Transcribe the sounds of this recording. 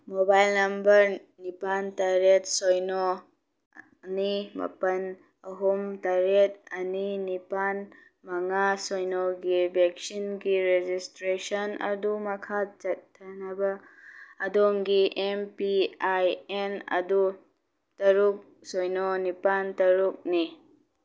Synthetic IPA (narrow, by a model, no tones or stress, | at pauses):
mobajlnɐmbɐɾ | nipantaɾet̚sojno | nimɐ̰pɐn | ɐɦumtaɾet̚ɐninipan | mɐŋasojnoɡibʱek̚sinɡiɾed͡ʒistɾesɐnɐ̰dumɐkʰat͡ʃɐtʰːɐnɐbɐː | doŋɡiʔempiajenɐ̰du | tɐɾuk̚ | sojnɔnipantɐɾuk̚ni